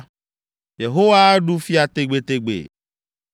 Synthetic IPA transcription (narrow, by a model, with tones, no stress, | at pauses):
je˨ɦo˦wa˦ɖu˦fi˦a˨t̪e˦˨ɡ͡be˨t̪e˦ɡ͡bḛ˨